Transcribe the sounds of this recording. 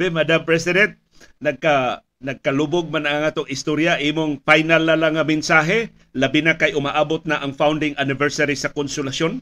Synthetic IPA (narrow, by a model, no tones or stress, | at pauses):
bɛmad̪ampɹɛsɪd̪ɛnt̪̚ | nɐɡ̚ka | nɐɡ̚kɐluboɡ̚manaŋaːt̪oŋɪst̪oɾjaʔimoŋfajnalːalːaŋːamɪnsaːɦɛ | lɐbɪnakajʔʊmaʔaːbot̪̚naʔɐŋfawnd̪ɪŋʔanɪvɛɹsaɾisɐkonsʊlaʃon